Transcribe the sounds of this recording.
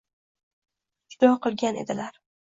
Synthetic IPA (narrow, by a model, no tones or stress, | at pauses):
d͡ʒʊd̪ɒqʰɨlˠɡʲanḛd̪ɪlaɾ